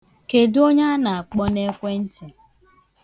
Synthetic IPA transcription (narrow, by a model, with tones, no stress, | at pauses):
ke˨do˦ɲa˦na˨a˨k͡pɔ˦ne˦kʷe˦n̩˦t͡ʃɪ˨